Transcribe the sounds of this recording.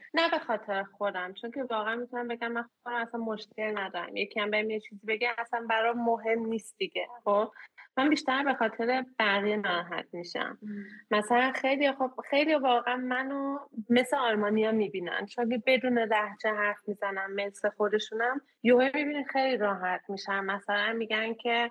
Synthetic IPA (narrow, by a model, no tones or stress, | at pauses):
næbe̞xɒːt̪ʰe̞ɾexo̞d̪æmt͡ʃʰo̞ŋcʰe̞vɒːɣeænmit̪ʰunæmbe̞ɡʲæmːænxobæmæsænmo̞ʃcʰe̞lnæd̪ɒːɾæ̰mje̞cʰiæmbejmjet͡ʃʰizibe̞ɡæmæsænbæɾɒmoɦe̞mniːst̪̚d̪iɟ̥exob̥̚mæmbiʃt̪æɾbe̞xɒːt̪ʰeɾe̞b̥æɣijemæɾɒɦæ̰t̪̚ʰmiʃæ̰mːæsælænxejlijɒxo̞b̥̚xejlijɒvɒːɣeænmænome̞sleɒlmɒːnijɒmibiːnæ̰nt͡ʃʰokebe̞d̪uːne̞læhd͡ʒeɦæɾfmizænæmme̞nsexo̞d̪e̞ʃunæm | johemibininxejliɾɒːɦæt̪ʰmiʃæmːæsælænmiɡæncʰe̞